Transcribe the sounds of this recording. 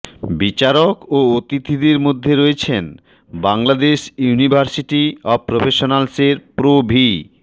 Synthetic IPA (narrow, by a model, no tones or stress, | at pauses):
bit͡ɕaɾokoot̪it̪ʰid̪eɾmod̪ʱːeɾoet͡ɕʰen | baŋlad̪eʃjunibʱaɾsiʈiɔbpɾofeʃonalseɾpɾobʱi